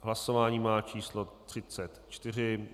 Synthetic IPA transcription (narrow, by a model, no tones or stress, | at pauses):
ɦlaso̞vaːɲiːmaːt͡ʃiːslot̪r̝̥ɪt͡sɛt̪t͡ʃt̪ɪr̝ɪ